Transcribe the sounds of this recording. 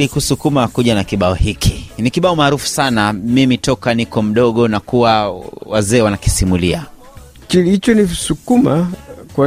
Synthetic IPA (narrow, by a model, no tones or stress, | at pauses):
likusukumakuʄanakiɓaɔhikinikiɓaɔmaːɾufu̥sanamimitɔkanikɔm̩ɗɔɠɔnakuwawazɛːwanaki̥simulia | kilit͡ʃɔnisukumakwa